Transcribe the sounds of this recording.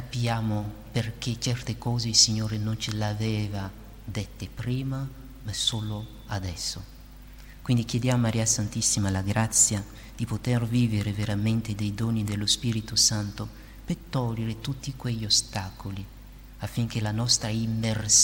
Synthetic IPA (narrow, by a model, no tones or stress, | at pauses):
kapjaːmoperk̟et͡ʃɛrt̪ekɔːzeilsiɲːoːɾenont͡ʃelavɛːva | d̪et̪ːepɾiːma | masoːlo | ad̪ɛsːo | kwind̪ik̟jed̪jaːmomaɾiːasant̪isːimalaɡɾat̪sːja | d̪̥ipot̪erviːveɾeveɾament̪ed̪ejd̪oːnid̪elːospiːɾit̪osant̪o | pet̪ɔlːeɾet̪ut̪ːikweʎːiost̪aːkoli | afːiŋkelanɔst̪ɾaimːers